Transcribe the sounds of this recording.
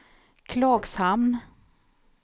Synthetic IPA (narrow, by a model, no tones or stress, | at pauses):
kʰlɑːɡsamn